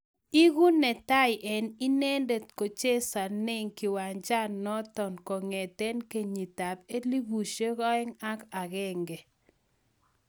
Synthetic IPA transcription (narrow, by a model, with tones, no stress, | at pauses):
i˦ɣu˦nɛ˨ta˦ɪ˨ʔɛ˨ni˦ne˦nde˨tko˨t͡ʃe˦sa˨nɪ˦ŋkɪ˨wa˨nd͡ʒa˦nnːɔ˦tɔ˨nkɔ˨ŋɛ˨t̪ɛ˦nke˦ɲi˨ta˨pe˦li˦bu˨ʃe˦kɔ˦ɪ˦ŋa˦ka˨ɣɛ˦ŋɡe˨